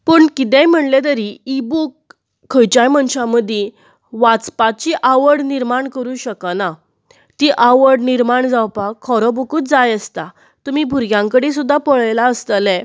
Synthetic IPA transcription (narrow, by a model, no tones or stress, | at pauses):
pəɳkit̪̬ɛ̃m̤əɳlet̪̬əɾiibukʰː | əjt͡ɕajmənɕãməd̪ʱje | ʋat͡spat͡ɕiʔaʋəɽniɾmaɳkəɾuːɕəkəna | t̪iʔaʋəɽniɾmaɳd͡zawpakʰːɔɾɔbukuːt̪̚d͡zajəst̪a | t̪umibʱuɾɡjãŋkəɽis̬ud̪ʱːapɔɭjlaəst̪əlɛ